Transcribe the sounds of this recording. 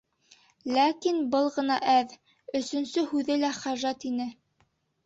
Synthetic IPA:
lækinbɤlˠʁɤ̆nɑʔæð | ɵ̆sɵ̆nsɵhʉðɘlæχæʒæt̪inɘ

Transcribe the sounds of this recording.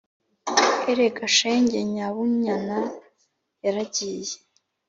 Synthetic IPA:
eɾekaʃeːɲɟeɲaβuɲana | jaɾaɟiːje

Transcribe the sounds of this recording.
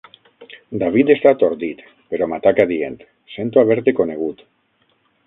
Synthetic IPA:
d̪aβ̞it̪est̪at̪o̞ɾðit̪ | pe̞ɾo̞mat̪akaðient̪ | sent̪uaβ̞eɾt̪eko̞neɣ̞ut̪

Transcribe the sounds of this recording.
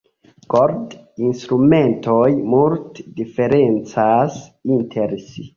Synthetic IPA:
koɾdinst̪ɾume̞ntojmultdife̞ɾent͡sasintʰeɾsi

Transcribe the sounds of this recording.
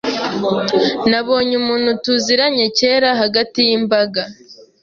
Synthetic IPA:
naβo̞ːɲumuːnhutuziɾaɲece̞ːɾaɦaɡatijimbaɡa

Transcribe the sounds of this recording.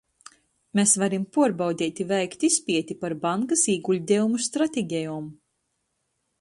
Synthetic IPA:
mesvaɾimpuɔɾbawd̪ʲiːt̪ʲivɛjkt̪ispʲiɛt̪ipaɾbaŋkasiːɡulʲd̪ʲɛumust̪ɾat̪ʲeɡʲɛjɔːm

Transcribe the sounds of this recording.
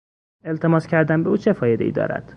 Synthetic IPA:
e̞lt̪ʰe̞mɒːscʲʰæɾd̪æmbeuːt͡ʃʰe̞fɒːjed̪eʔiːd̪ɒ̰ːɾæ̰d̪̥

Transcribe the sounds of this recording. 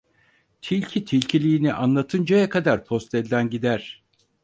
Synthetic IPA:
t̪ʰilʲcʰit̪ʰilʲcʰilʲiːniʔanlˠat̪ʰɯnd͡ʒajakʰad̪aɾpʰo̞st̪ɛlʲd̪ʲænɟid̪æɾ̥

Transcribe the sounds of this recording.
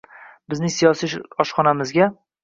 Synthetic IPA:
bɪznɪŋsijɒsiɒʃχɒnamɪzɡʲa

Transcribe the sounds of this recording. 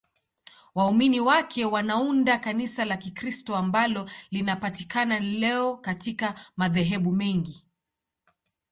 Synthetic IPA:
wauminiwakʰɛwanaundakanisalakikɾistɔambalɔlinapatikanalɛɔkatikamaðɛɦɛɓumɛŋɡi

